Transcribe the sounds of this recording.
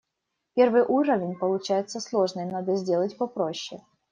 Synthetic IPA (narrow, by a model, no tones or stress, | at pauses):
pʲervɨjʔuɾəvʲɪnʲpəlˠʊt͡ɕæjɪt̪səslˠo̞ʐnɨjnad̪əzʲdʲelˠətʲpɐpɾoɕːɪ